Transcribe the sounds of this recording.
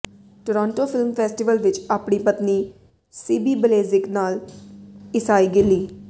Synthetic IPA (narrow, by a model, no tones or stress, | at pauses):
ʈoːɾãːɳʈoːpʰɪlmpʰɛːsʈɪʋəlʋɪt͡ʃaːpɳiːpət̪niː | siːbiːbəleːzɪknaːl | ɪsaːiːɡɪliː